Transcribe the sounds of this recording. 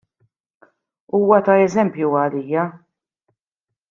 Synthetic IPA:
uːwɐt̪ɐɛzɛmpjuɐliːjːɐ

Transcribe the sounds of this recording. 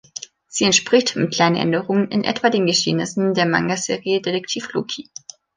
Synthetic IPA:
z̥iːɛntʃpʁ̥ɪçtɪmkʰl̥aɪnəʔɛ̰ndəʁʊŋənɪ̰nʔɛ̰tv̥adeːnɡəʃḛːnɪsn̩deːɐma̰ŋɡazḛːʁiədedɛk̚tʰiːflṵkʰi

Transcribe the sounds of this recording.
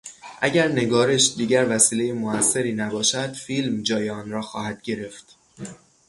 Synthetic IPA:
ʔæ̰ɟæɾne̞ɡɒːɾe̞ʃd̪iːɟæɾvæsiːle̞jemoæsːe̞ɾiːnæbɒːʃæd̪̥filmd͡ʒɒːjeɒːnrɒːxɒːhæd̪̥ɟe̞ɾe̞ft̪

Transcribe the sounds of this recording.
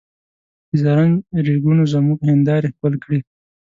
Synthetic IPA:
izaɾanɾeɡunozamuɡhɪnd̪ɑɾexpəlkɽi

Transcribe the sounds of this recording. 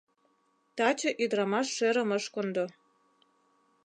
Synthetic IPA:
t̪ɑt͡ɕɤ̆ʔyd̪ɾɑmɑʃːeɾə̆məʃkond̪o

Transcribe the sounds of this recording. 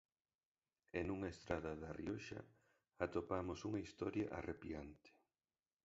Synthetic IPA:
enuŋɐest̪ɾaðɐðɐriɔʃɐ̰ | at̪opamosuŋɐist̪ɔɾjaʔa̰rʔepiant̪ɪ̥

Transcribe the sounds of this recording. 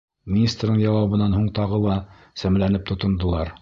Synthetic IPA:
mʲinʲist̪rd̪ɤŋjɑwɑβɤ̆nːɑnɦuɴt̪ɑʁɤlˠɑ | sæmlænɘp̚t̪ŏt̪ŏnd̪ŏlˠɑɾ

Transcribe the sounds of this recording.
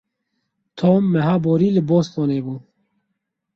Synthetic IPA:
t̪ʰoːmːɛɦaːboːɾiːlɨboːst̪oːneːbuː

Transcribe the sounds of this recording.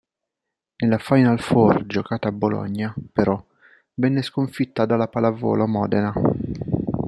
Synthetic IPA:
nelːafajnalfɔrd͡ʒokaːt̪aːbːolɔ̰ɲːapeɾɔ | vɛnːeskoɱfit̪ːad̪alapalavɔ̰ːlomɔ̰ːd̪ena

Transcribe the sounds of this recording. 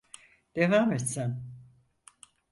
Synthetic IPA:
d̪̥evaːmet̪sæn

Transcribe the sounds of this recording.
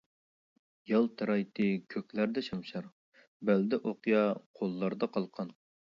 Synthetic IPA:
jɑlˠt̪ʰɛɾɑjt̪ʰɨkʲʰøkʲlæɾd̪ɛʃɑmʃɑɾ | bæld̪ɛʔoqjɑqʰolˠːɑɾd̪ɑqʰɑlˠqʰɑn

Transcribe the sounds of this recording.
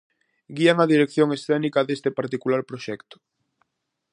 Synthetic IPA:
ɡiaŋaðiɾekθjoŋesθɛnikɐðest̪epaɾt̪ikulaɾpɾoʃɛkt̪ʊ̥

